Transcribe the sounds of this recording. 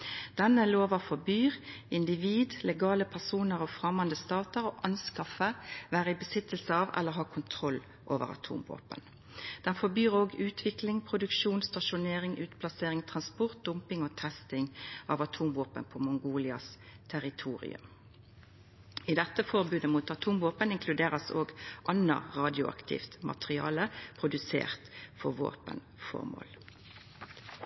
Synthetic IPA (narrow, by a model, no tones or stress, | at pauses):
d̪̥ɛnːəloːʋɑfɔbyːʁɪnd̪ɪʋiːd̪lɛɡɑːləpʰæʁsuːnəʁoːfʁɑmːɑnd̪əst̪ɑːt̪əʁoːʔɑnskɑfəʋæːʁəɪbəsɪt̪ːəlsəɑʋɛ̰lːəɾɦɑːkʰʊnt̪ʰʁɔlː | ʔo̰ːʋə̰ʁɑ̰t̪ʰṵːmʋo̰ːpə̰n | d̪̥ɛnfɔbyːʁoːɡʉːt̪ʰʋɪklɪŋpʰʁʊd̪ʉkʃuːnst̪ɑʃʊneːʁɪŋʔʉːt̪pʰlɑseːʁɪŋt̪ʰʁɑnspɔʁt̪̚d̪̥ʊmpɪŋoːt̪ʰɛst̪ɪŋʔɑʋɑt̪ʰuːmʋoːpənpʰomʊŋɡuːlɪɑst̪ʰæʁɪt̪ʰuːʁɪ̰ʉ̰m | ɪd̪ɛt̪ːəfɔʁbʉːd̪əmuːt̪ɑt̪ʰuːmʋoːpənɪŋkʰlʉd̪eːʁəsoːɡʔɑnːə̰ʁɑːd̪ɪʊɑ̰kt̪ʰɪ̰ft̪mɑ̰t̪ʁɪɑ̰ːləpʰʁʊd̪ʉsḛːʁt̪fɔʁʋo̰ːpə̰n | fɔ̰ʁmo̰ːl